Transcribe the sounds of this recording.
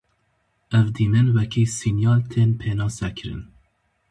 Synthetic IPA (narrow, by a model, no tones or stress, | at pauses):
ɛvd̪iːmɛnwɛkʰiːsinjɑːlt̪ʰeːnpʰeːnɑːsɛkʰɨɾɨ̰n